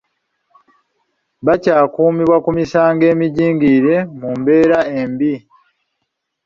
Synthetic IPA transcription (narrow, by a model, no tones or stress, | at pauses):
βacaːkuːmiβwakumisaːŋɡe̞ːmiɟiːŋɡiɾe̞mumbe̞ːɾaembi